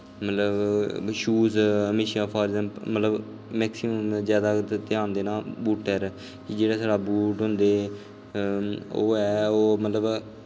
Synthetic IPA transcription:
mət̪ləbʃuːzəmeːʃãːpʰaːɾzɛmpmːət̪ləb | mɛːksɪməmzjaːd̪aːt̪t̪ɪãːnd̪eːnaːbuːʈɛːɾ | kid͡ʒeːɽaːsaːɖaːbuːʈɦʊ̃nd̪eː | o̰ːɛːoːmət̪ləb

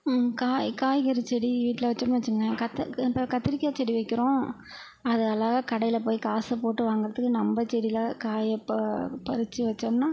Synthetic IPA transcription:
kaːjkaːjkɐɾɯt͡ʃːɛɽiʋiːʈːɪlɐʋɐt͡ʃːɐnːʋɐt͡ʃːɯŋɡɐɡɐkɐt̪ːpːɐkɐt̪ːɪɾɪkʲːaːt͡ʃːɛɽiʋɐɪkːɪɾõː | ɐðɯɐlaːɣɐkɐɽɐjɪlɐpoːjikaːsɐpoːʈːɯʋaːŋɡɪɾɐðɯkːɯnɐmbɐt͡ʃɛɽɪlɐkaːjɐppɐɾɯt͡ʃːɯʋɐt͡ʃːɐmnaː

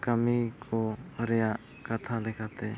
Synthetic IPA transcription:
kamikʰɔɾɛjaʔ | kat̪ʰalɛkʰat̪ɛ

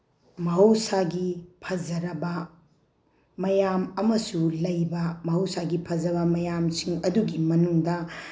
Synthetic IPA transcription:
mɐɦɐwsaɡipʰɐd͡ʒɐɾɐbɐ | mɐjamɐmɐsulɐjbɐmɐɦɐwsaɡipʰɐzɐβɐmɐjamsiŋɐduɡimɐnuŋdɐ

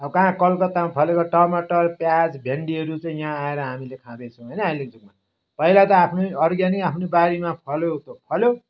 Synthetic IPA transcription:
ʌʌkʌɦãkʌlkʌt̪ːamapʰʌlekoʈʌmaʈʌrpjad͡zbʱeɳɖiɦʌɾut͡sʌĩjãaeɾʌɦamilekʰãd̪ʌjt͡sʰʌ̃w̃ɦʌjnʌɦajled͡zuk̚ma | pʌilat̪ʌapʰnoʌɾɡjaniapʰnobaɾimapʰʌlot̪opʰʌljo

